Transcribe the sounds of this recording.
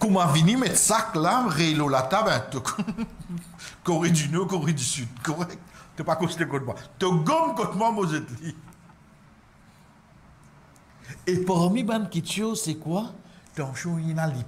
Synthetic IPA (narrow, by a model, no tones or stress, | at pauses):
kumavinimɛt̪saklaʁelolat̪abɛ̃t̪ək | kɔʁed̪ynɔkɔʁed̪ysyd̪kɔʁɛk̚t̪t̪ːəpakɔ̃si̥t̪ekɔ̃t̪̚mwat̪əɡɔ̃mkɔt̪mwamozɛt̪li | epɔʁmibãnkit̪osɛkwat̪ãːʃɔ̃jinali